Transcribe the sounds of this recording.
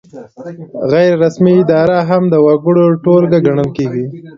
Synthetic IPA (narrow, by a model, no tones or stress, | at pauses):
ɣajɾɾasmiɪd̪ɑɾaɦamd̪əwaɡəɽoʈolɡaɡaɳəlkeɡi